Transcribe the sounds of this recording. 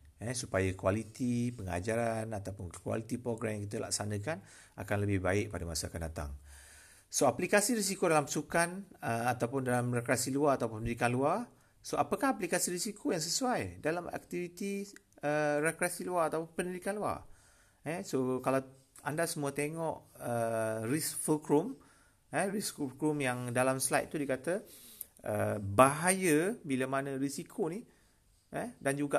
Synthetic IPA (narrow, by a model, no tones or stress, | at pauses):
ɛsupajakualit̪ipəŋa̰d͡ʒaɾanat̪awpʊnkwa̰lit̪ipɾoɡɾamjaŋkit̪əla̰k̚sanə̃kan | a̰kanləbɪhbaɪʔpadəma̰saakandat̪a̰ŋ | soaplikasiɾis̬ikodalampəsukanəat̪awpʊndalamrekɾasiluaat̪awpʊnpəndidikanluar | soapəkaɦaplikasiɾisikʰojaŋs̬əsuajdalama̰k̚t̪ivit̪i | ərekɾasiluaɾat̪awpʊnpəndidikanlua̰ | ɛsokala | andasəmũat̪eŋɔʔərisfulkɾum | ɛrisfulkɾumjaŋdalamslajt̪̚t̪ːudikat̪ə | ʔə̰baɦajəbiləmanə̃risikʰoni | ədand͡ʒuɡaʔ